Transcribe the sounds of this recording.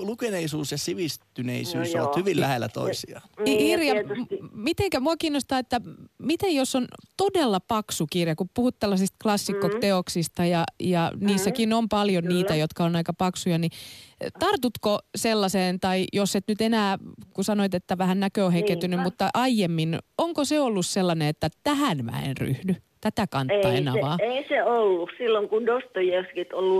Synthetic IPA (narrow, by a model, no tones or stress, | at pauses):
lukeneisuːsjɑsiʋist̪ynḛisy̰ːso̰ɑ̰t̪hyʋilæhelːæ̰t̪o̰isiɑirjɑmit̪eŋkæmuɑkiːnːost̪ɑːet̪ːæmit̪ejjosːont̪odelːɑpɑksukirjɑkuppuhut̪t̪elːɑsist̪klɑsːikːot̪t̪ːeoksist̪ɑjɑjɑniːsːækinompɑljonniːt̪æjot̪kɑonɑikɑpɑksujɑnit̪ɑrt̪ut̪koselːɑseːnt̪ɑijoset̪nyt̪enæːkusɑnoit̪et̪ːæʋæhænnækøohekent̪ynymmut̪ːɑʔɑijemːinoŋkoseolːusselːɑneet̪ːæt̪æhænmæ̰ḛnry̰hnyt̪æt̪ækɑnːɑenɑʋɑeiseolːussilːoŋkundost̪ojeskit̪olːu